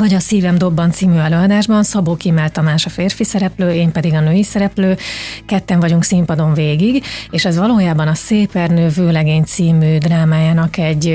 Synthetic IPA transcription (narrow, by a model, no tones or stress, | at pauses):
vɒɟɒsiːvɛmd̪o̞bːɒnt̪siːmyɛløːɒd̪aːʒbɒnsɒboːkiɛmɛlt̪ɒmaːʃɒfeːrfisɛɾɛpløːeːmpɛd̪iɡɒnøːjisɛɾɛpløːkɛt̪ːɛɱvɒɟuŋksimpɒd̪o̞ɱveːɡiɡeːʃɛzʋɒloːjaːbɒnɒseːpɛrnøːvøːlɛɡeːɲt̪siːmyːd̪raːmaːjaːnɒkɛɟː